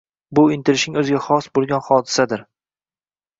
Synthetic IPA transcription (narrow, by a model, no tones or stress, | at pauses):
bʊɪnt̪ʰɪɾɪʃɪŋɵzɪɡʲaχɒsbolˠɡʲanχɒd̪ɪ̥sad̪ɪɾ